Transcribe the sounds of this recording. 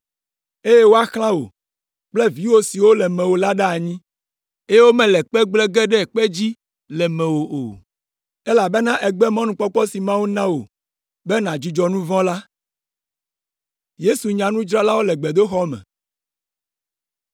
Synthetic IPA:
e˦je˦wo˦a˦xlã˦wo̰˨ | k͡plɛ˦vi˨wo˦si˨wo˦lɛ˨mɛ̃˨wo˨la˦ɖɛ˦a˨ɲĩ˦ | e˦je˦wo˦mɛ̃˨lɛ˨k͡pɛ˦ɡ͡blɛ˦ɡɛ˦ɖɛ˦˨k͡pɛ˦d͡ʑi˦ | lɛ˨mɛ̃˨wo˨ʔo̰˨ | ɛ˦la˨be˦nã˦ʔɛ˨ɡ͡bɛ˦mɔ̃˦nũ˨k͡pɔ˦k͡pɔ˦si˨mã˦wu˦nã˦wo̰˨ | bɛ˦nã˨d͡ʑi˦d͡ʒɔ˦nũ˦vɔ̃˦la˦ | je˦su˨ɲã˨nũ˦d͡ʒɾa˦la˦wo˦lɛ˨ɡ͡bɛ˨d̪o˦xɔ˦mɛ̰̃˨

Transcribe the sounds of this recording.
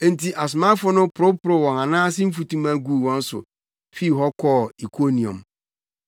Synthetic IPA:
n̩˨ti˦ʔa˨s̬ma˦fʊ˦nʊ̃˦pʰʊ˨ɾʊ˦pʊ˨ɾʊ˨wɔ̃˨ŋa˨nãː˦sɪ˦m̩˦fu˨tũ˦mã˦ɡu˦˨wɔ̃˦n̩˦sʊ̰˨ | fi˦˨ɦɔ˦kʰɔː˦˨i˨kʰo˦nĩ˨õ̰˨m

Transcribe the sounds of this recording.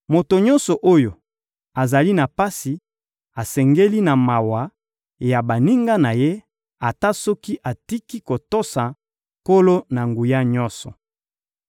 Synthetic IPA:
mo˨to˨ɲɔ̃˦nsɔ˨ʔo˦jo˨ | a˨za˨li˦na˨pa˦si˨ | a˨sɛ˨ŋɡe˦li˦na˨ma˨wa˨ | ja˨ba˨ni˦ŋɡa˦na˨je˦ | a˨ta˦sɔ˦ki˦ʔa˨ti˦ki˦ko˨to˦sa˨ | ko˦lo˦na˨ŋɡu˨ja˦ɲɔ˦nsɔ˨

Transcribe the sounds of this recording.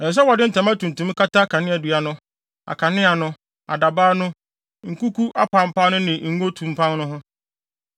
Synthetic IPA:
ɛ˨s̬ɛ˦wɔ˨dɪ˦n̩˨tʰã˨mã˦tũ˨n˨tũ˨m˦ka˦ta˦kʰa˨nɪ̃˦a˨dɥa˨nʊ̃˦ | a̰˨kʰa˨nɪ̃˦a˨nʊ̃˦ | a̰˨da˨baː˦nʊ̃˦ | ŋ̩˨ku˦kʰu˦ʔa˦pʰã˦m̩˦pʰa˦nʊ̃˦nɪ̃˨˦ŋ̩˦o˦tʰũ˨m̩˦pʰã˦nnʊ̃˦ɦʊ̃˦

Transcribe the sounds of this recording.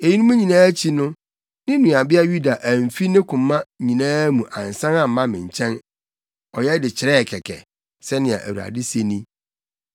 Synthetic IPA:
e˨ji˦nũ˦mũ˦ɲĩ˨nãː˦t͡ɕʰi˦nʊ̃˦ | nɪ̃˦nũ˨a˨bɪ˦a˦ju˦da˨ʔæ˨m˨fi˦nɪ̃˦kʰʊ̃˨mːã˦ɲĩ˨nãː˦mũ˨ʔã˨n̩˨sã˦nã˦˨m̩˦mã˦mɪ̃˨ɲ̩˨t͡ɕʰɛ̃˦n | ɔ˨jɛ˦dɪ˨t͡ɕʰɪ˨ɾɛ˦˨kʰɛ˨kʰɛ̰˨ | sɛ˦nɪ̃˨a̰˨ʔæ̰˨wu˨a̰˨dɪ˦se˦nĩ˦

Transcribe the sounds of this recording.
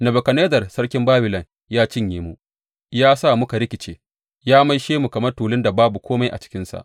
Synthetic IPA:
nɐ˨bɐ˨kɐ˨neː˦dɐ˨rsɐ˦rkʲɪ˦mbaː˦bɪ˨lɐ˨ŋ | jaː˦t͡ʃɪ˦ɲjeː˦mu˨ | jaː˦sa˦˨mʊ˦ka˨ɾɪ˦kʲɪ˨t͡ʃḛː˨ | jaː˦ma˦jʃeː˦mu˨kɐ˨mɐ˦rtuː˨lɪ˦nda˨baː˦bu˨kʷʰoː˦ma˦jʔa˨t͡ʃɪ̥˦kʲɪ˦nsa̰˨ʔ

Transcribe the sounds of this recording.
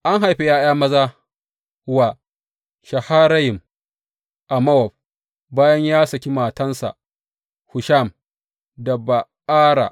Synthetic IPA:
ʔa˦ŋɦa˨jɸe˨jaː˦jaː˦mɐ˦zaː˦ | wa˨ | ʃɐ˨haː˦ɾa˦jɪ˨m | ʔa˨mɐ˦wɔ˨ɸ̚ | baː˦jɐ˦ɲjaː˦sɐ˨kʲi˦maː˨tɐ˦nsa̰˨ʔ | hʊ˨ʃa˦˨m | dɐ˨ba˨ | aː˦ɾa̰˨ʔ

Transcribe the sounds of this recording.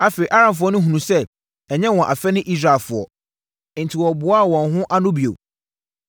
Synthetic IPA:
a˦fe˨i˨ʔa˦ɾã˨nf̬ʊ˦ɔ˦nʊ̃˦ɦũ˨nũ˨sɛ˦ | ɛ˨ɲɛ̃˦wɔ̃˨ʔa˨fɛ˦nɪ̃˦ʔi˦sɾa˨lfʊ˨ɔ̰˨ | n̩˨tʰi˨wɔ˨bʊ˨˦a˦˨wɔ̃˨nɦʊ̃˦ʔa˦nʊ̃˦bi˨o̰˨

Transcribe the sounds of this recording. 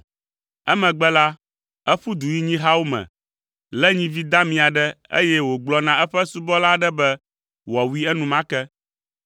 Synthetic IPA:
ɛ˦mɛ̃˨ɡ͡bɛ˦la˦ | ɛ˦ɸu˦d̪u˨ji˦ɲĩ˦ɦa˦wo˦mɛ̰̃˨ | lɛ˦ɲĩ˦vi˦d̪a˦mĩ˨a˨ɖɛ˦ḛ˦jɛ˦wo˨ɡ͡blɔ˦nã˨ʔɛ˦ɸɛ˦su˦bɔ˦la˦ɖɛ˦bɛ˦ | wɔ˨wi˦ɛ˦nũ˨mã˦kɛ˦

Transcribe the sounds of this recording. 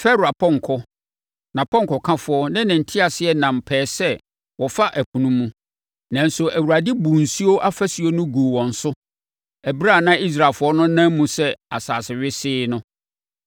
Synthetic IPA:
fɛ˦ɾa˨pʰɔ̃˦ŋ˨kʰɔ˦ | nã˨pʰɔ̃˦ŋ˨kʰɔ˨kʰã˦fʊ˨˦ɔ˦nã˦nɪ̃˨n̩˨tʰɪ˦a˨sɪ˦ɛ˦nã˨mpʰɛː˨sɛ˦ | wɔ˨fa˦ʔæ˨pʰũ˨nũ˦mũ˦ | nã˨n̩˨sʊ˨æ˨wu˨ɾa˨dɪ˦bu˨n̩˨si˦o˦ʔa˦fæ˦si˨o˦nʊ̃˦ɡu˨wɔ̃˨n̩˨sʊ˦ | ɛ˨bɾa˦˨nã˦i˦s̬ɾa˨lfʊ˨˦ɔ˦nʊ̃˦nã˦mmũ˦sɛ˦a˨saː˨sɪ˨ɥɪ˦sɪː˦nʊ̃˦

